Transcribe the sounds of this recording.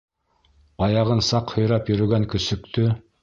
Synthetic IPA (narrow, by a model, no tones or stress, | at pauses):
ɑjɑʁɤnsɑqhŏjɾɑpjɵ̆ɾɵ̆ɡæŋkɵ̆sɵ̆k̚t̪ɵ